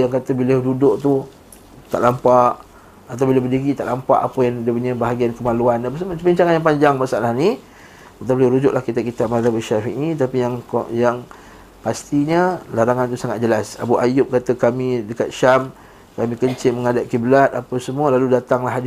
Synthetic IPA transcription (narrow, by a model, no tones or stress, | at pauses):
jaŋkat̪əbiladudʊʔt̪u | t̪a̰ʔlampaʔ | at̪awbilabədiɡit̪a̰ʔlampa̰ʔapajaŋdəpuɲabaɦaɡiankəmaluanapasəbiɲt͡ʃaŋanjaŋpaɲd͡ʒaŋmasaʔlahni | at̪abiləɾud͡ʒʊʔlahkit̪akit̪ap̚maabəʃafiʔnĩt̪apijaŋkjaŋ | past̪iɲəlaɾaŋant̪usaŋat̪̚d͡ʒəlasa̰buʔajʊp̚kat̪əkamĩdəkat̪̚ʃam | kamikəɲt͡ʃɪʔməŋadaʔ̚kibəlat̪̚apasəmuəlaludat̪aŋlaɦad